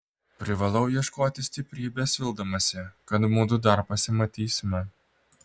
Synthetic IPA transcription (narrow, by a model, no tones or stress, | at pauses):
pʲɾʲɪʋɐlˠɐʊjiɛʃkoːt̪ʲɪsʲt̪ʲɪpʲɾʲiːbʲɛsʲʋʲɪlˠd̪ɐmɐsʲɛkɐt̪muːd̪ʊd̪ɐɾpɐsʲɪmɐt̪ʲiːsʲɪmʲɛ